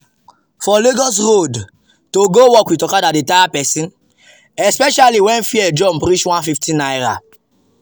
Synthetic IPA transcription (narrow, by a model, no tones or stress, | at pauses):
fɔleɡɔs̬ɹod | toɡowɔkwitɔkadatdetajapɛsĩn | ɛspɛʃaliwɛ̃nfiɛd͡ʒɔ̃mpɾit͡ʃwãnfiftʰĩnajɹa